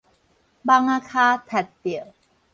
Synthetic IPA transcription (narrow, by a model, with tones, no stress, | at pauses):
ba˧ŋaː˧kʰaː˧t̪ʰɛ˨˩t̪̚ːi˨˩ə˨w